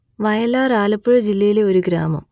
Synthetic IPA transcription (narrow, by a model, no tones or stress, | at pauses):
ʋɐjɐlːaːraːlɐpːuɻɨd͡ʑilːɐjileo̞ɾuɡɾa̰ːmɐ̰m